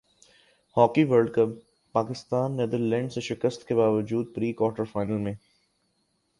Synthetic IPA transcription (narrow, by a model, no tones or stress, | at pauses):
hɔːkiʋəɾɖkəpː | aːkɪst̪aːnːɛd̪əɾlɛ̃ːɳɖseʃɪkəst̪kebaːʋəd͡ʒuːd̪̚pɾiːkwɔːɾʈəɾfaːɪnəlmẽː